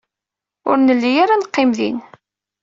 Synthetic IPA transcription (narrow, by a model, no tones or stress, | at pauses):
ʊ̰ɾnəlːijaɾanqːɪmðḭn